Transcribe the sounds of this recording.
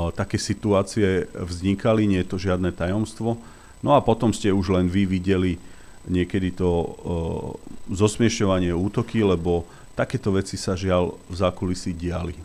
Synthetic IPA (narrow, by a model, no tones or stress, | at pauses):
t̪akɛːsit̪uaːt͡siɛvzɲikaliɲɛjɛt̪ɔʒɪad̪nɛt̪ajɔmst̪ʋɔ | nɔapɔt̪ɔmscɛuʒlɛnʋiʋiɟɛli | ɲɪɛkɛd̪it̪ɔ | zɔsmɪɛʃɔʋaɲɪɛuːt̪ɔkilɛbɔ | t̪akɛːt̪ɔʋɛt͡sisaʒɪalvzakulisiɟɪali